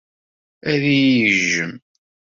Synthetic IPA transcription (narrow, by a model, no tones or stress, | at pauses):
æðijəʒːəm